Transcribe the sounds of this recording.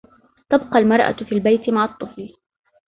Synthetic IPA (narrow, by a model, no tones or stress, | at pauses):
t̪ɑbqɑlmɑɾˤʔa̰fiːlbajt̪ɪmaʕɑt̪ˤːɨfl